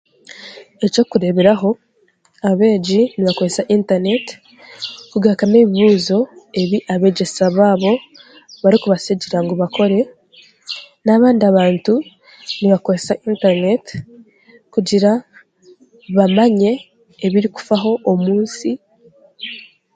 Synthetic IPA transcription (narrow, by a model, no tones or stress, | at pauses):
e̞co̞kuɾe̞βe̞ɾaɦo̞ | aβe̞ːɟiniβako̞ɾesaʔintaɾne̞ti̥ | kuɡakaneːβiβuːzo̞e̞βiʔaβe̞ɟesaβaːβo̞ | βaɾikuβaseɟiɾaŋɡoβako̞ɾe̞ | naβaːndiaβaːntu | niβakoɾesaʔintaɾne̞t | kuɟiɾa | βamaɲe̞ː | βiɾiku̥faɦo̞ʔːmuːnsi